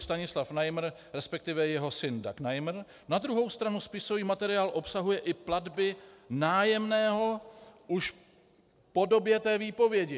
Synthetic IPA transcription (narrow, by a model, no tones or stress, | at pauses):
st̪aɲɪslafnajmr̩ɾɛspɛk̚t̪ɪvɛjɛɦo̞sɪndaknajmr̩ | nad̪ɾuɦo̞wst̪ɾanuspɪso̞viːmat̪ɛɾɪaːlʔo̞psaɦujɛʔɪpladbɪnaːjɛmnɛːɦo̞ʔuʃ | po̞do̞bjɛt̪ɛːviːpo̞vjɛɟɪ